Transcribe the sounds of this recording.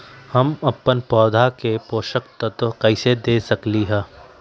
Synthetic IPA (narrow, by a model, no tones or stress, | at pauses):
hɐmɐpːənpɔːd̪ʱakepoːʃəkt̪ət̪kɐɪsed̪eːsɐkliɦɛ̃ː